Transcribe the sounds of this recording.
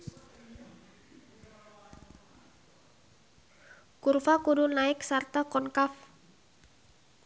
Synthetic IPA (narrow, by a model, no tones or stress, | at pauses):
kurfakudunaɪksart̪akɔnkaf